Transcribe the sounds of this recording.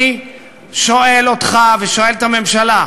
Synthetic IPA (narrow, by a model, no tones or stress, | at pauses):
i | ʃo̞e̞lot̪χaveʃo̞e̞lt̪ame̞mʃala